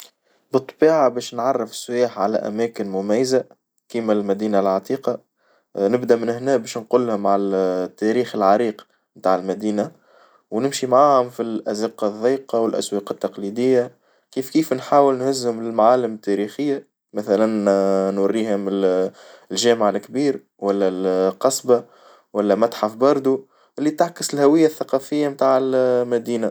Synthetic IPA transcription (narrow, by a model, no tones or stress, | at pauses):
bɨt̪ˤːbiːʕabɛːʃnʕɑrˤːɪfsːʊjaːħʕalæʔæ̰mæːkɪnmʊmæjːza | kimælmæd̪iːnalʕɑt̪ˤiːqɑ | nɪbd̪æmɪnɪhnɛːbɛːʃnqʊlːhʊmʕalæt̪ːæɾiːxɪlʕɑɾiːq | mt̪aːʕɪlmæd̪iːna | wnɪmʃimʕaːhʊmfilʔæzɪqɑðˤːiːqɑwɪlʔæ̰swɑːqɪt̪ːɑqliːd̪ɪjːa | kiːfkiːfnħaːwɪlnhʊzːhʊmɪlmaʕaːlɪmɪt̪ːæɾiːxɪjːa | mæθælænnwɑrːiːhʊmɪ | lʒæːmʕalkbiːɾ | wælːælqɑsˤba | wælːæmæt̪ħafbɑɾˤd̪ˤu | ʔɪlːit̪aʕkɪsɪlhæwɪjːaθːaqɑfɪjːamt̪aːʕɪlmæd̪iːna